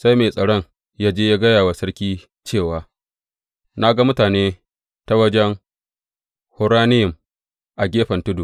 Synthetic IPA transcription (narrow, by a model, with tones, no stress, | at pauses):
sa˦jmeː˨sʼɐ˨ɽɔ˦˨ŋ | jaː˦d͡ʒeː˦ja˦ɡɐ˦jaː˨waː˨sɐ˦ɽkʲiː˦ | t͡ʃeː˦˨waː˨ | na˦ɡa˦mʊ˦taː˨neː˦ | ta˦wɐ˦d͡ʒɛ˦ŋ | hʊ˦ɾaː˦nɪ˦jɪ˨m | ʔa˨ɡʲeː˦ɸɐ˨ntʊ˦du˨